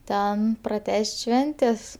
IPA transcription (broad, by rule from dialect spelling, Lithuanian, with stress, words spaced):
ˈtʲɛn prɐˈtʲæːsʲtʲ ˈʃʲʋʲɛnʲtʲeːs